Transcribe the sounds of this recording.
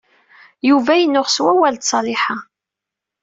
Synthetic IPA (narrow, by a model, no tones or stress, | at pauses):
juvæjənːʊʁswæwælt̪sˤɑlɪħa